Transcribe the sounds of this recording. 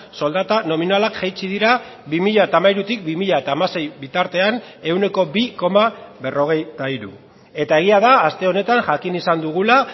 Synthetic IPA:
so̞ld̪at̪ano̞minalakʝejt͡ʃið̞iɾa | βimiʎaet̪aːmaiɾut̪ikbimiʎaet̪aːmase̞jβit̪aɾt̪e̞ane̞wne̞ko̞biko̞maβe̞ro̞ɣ̞e̞jt̪aiɾṵ | e̞t̪ae̞ɣ̞iað̞aːst̪e̞o̞ne̞t̪anʝakinisand̪uɣ̞ula

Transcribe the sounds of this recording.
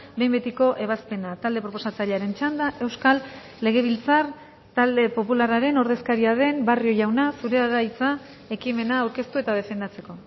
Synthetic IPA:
be̞jmbet̪iko̞ʔe̞β̞aspe̞nat̪ald̪e̞pɾo̞po̞sat͡saʎaɾe̞nt͡ʃand̪aʔe̞wskalː | e̞ɣ̞e̞β̞ilt͡sar | t̪ald̪e̞po̞pularaɾe̞no̞ɾðe̞skaɾiaðe̞mbario̞ʝawnasuɾe̞aɣajt͡sa | e̞kime̞naːwɾke̞st̪ue̞t̪að̞e̞fe̞nd̪at͡se̞ko̞

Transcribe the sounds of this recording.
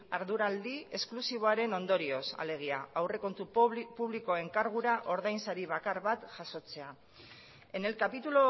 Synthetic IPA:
aɾðuɾald̪ie̞sklusiβ̞o̞aɾe̞no̞nd̪o̞ɾio̞sa̰le̞ɣ̞iaawre̞ko̞nt̪upuβliko̞e̞ŋkaɾɣ̞uɾaʔo̞ɾðajnsaɾiβakaɾβat̪ʝaso̞t͡se̞a | enelkapit̪ulo

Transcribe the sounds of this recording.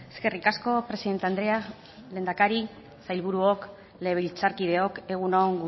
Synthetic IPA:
eske̞rikasko̞pɾe̞siðe̞nt̪eand̪ɾe̞a | le̞ːnd̪akaɾi | sajlβuɾuok | le̞βilt͡saɾkið̞e̞o̞ke̞ɣ̞unoŋɡu

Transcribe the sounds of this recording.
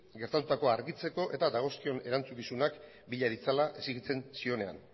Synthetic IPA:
ɡe̞ɾt̪at̪ut̪ako̞aɾɣit͡se̞ko̞ʔe̞t̪ad̪aɣ̞o̞skio̞ne̞ɾant͡sukisunak | biʎaðit͡salaʔe̞siɣit͡se̞nsio̞ne̞a̰n

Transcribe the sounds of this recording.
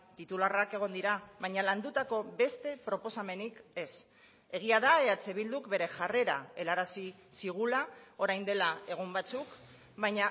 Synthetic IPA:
t̪it̪ularake̞ɣ̞o̞nd̪iɾaβajɲaland̪ut̪ako̞be̞st̪e̞pɾo̞po̞same̞nike̞s | e̞ɣ̞iaðaeat͡se̞βild̪ukbe̞ɾe̞ʝare̞ɾae̞laɾasi | siɣ̞ulao̞ɾajnd̪elae̞ɣ̞umbat͡suk | βajɲa

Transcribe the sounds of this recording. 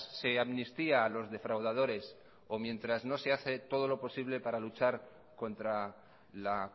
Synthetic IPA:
se̞aβnist̪iaːlo̞zðe̞fɾawð̞að̞o̞ɾe̞s | o̞mjẽ̞nt̪ɾazno̞se̞aθe̞t̪o̞ð̞o̞lo̞po̞siβle̞paɾalut͡ʃaɾ | ko̞nt̪ɾa | la

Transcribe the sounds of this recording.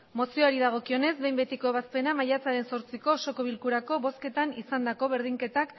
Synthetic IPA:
mo̞sio̞aɾiðaɣ̞o̞kio̞ne̞zbe̞jmbe̞t̪iko̞eβaspe̞namajat͡saɾe̞nso̞ɾt͡siko̞so̞ko̞β̞ilkuɾako̞βo̞ske̞t̪anisand̪ako̞βe̞ɾð̞iŋke̞t̪ak

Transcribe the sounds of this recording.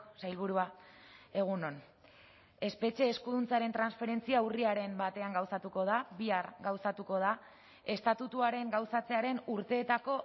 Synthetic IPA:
sajlβuɾuae̞ɣ̞uno̞n | e̞spe̞t͡ʃe̞ːskuðunt͡saɾe̞nt̪ɾansfe̞ɾe̞nt͡siauriaɾe̞mbat̪e̞aŋɡawsat̪uko̞ð̞aβiaɾɡawsat̪uko̞ð̞a | e̞st̪at̪ut̪uaɾe̞ŋɡawsat͡se̞aɾe̞nuɾt̪e̞ːt̪ako̞

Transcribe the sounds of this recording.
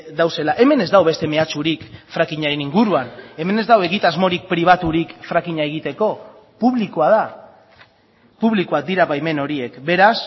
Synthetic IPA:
d̪awse̞laʔe̞me̞ne̞zd̪awβest̪e̞me̞at͡ʃuɾikfɾakiɲaɾe̞niŋɡuɾuane̞me̞ne̞zd̪awe̞ɣit̪azmo̞ɾik̚pɾiβ̞at̪uɾikfɾakiɲaeɣ̞it̪e̞ko̞ | puβlikoað̞a | puβ̞likoak̚d̪iɾaβajme̞no̞ɾie̞kbe̞ɾas

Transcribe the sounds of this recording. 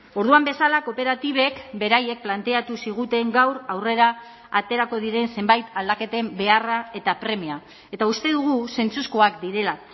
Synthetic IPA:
o̞ɾðuambesalako̞pe̞ɾat̪iβ̞e̞kbe̞ɾaje̞k̚plant̪e̞at̪usiɣ̞ut̪e̞ŋɡawɾawre̞ɾaː | t̪e̞ɾako̞ð̞iɾe̞nse̞mbajt̪ald̪ake̞t̪e̞mbe̞arae̞t̪apɾe̞mia | e̞t̪aust̪e̞ðuɣ̞use̞nt͡suskoakd̪iɾe̞la

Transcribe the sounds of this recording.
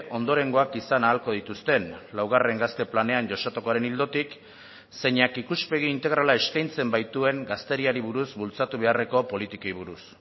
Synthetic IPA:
ʔo̞nd̪o̞ɾe̞ŋɡo̞akisanaːlko̞ð̞it̪ust̪e̞nlawɣ̞are̞ŋɡast̪e̞plane̞anʝo̞sat̪uko̞aɾe̞nild̪o̞t̪ik | se̞ɲakikuspe̞ɣ̞iːnt̪e̞ɣ̞ɾalae̞skajnt͡se̞mbajt̪ue̞ŋɡast̪e̞ɾiaɾiβuɾuzbult͡sat̪uβ̞e̞are̞ko̞po̞lit̪ikojβuɾus

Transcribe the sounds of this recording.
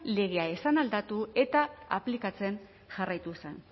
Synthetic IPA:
le̞ɣ̞eae̞sanald̪at̪ue̞t̪aaplikat͡se̞n | ʝarajt̪usḛn

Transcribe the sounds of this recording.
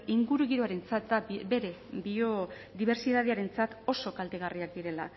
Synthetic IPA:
iŋɡuɾuɣiɾo̞aɾe̞nt͡sat̪d̪abe̞ɾe̞bio̞ | ðiβ̞e̞ɾsiðað̞eaɾe̞nt͡sat̪o̞so̞kald̪eɣ̞ariak̚d̪iɾe̞la

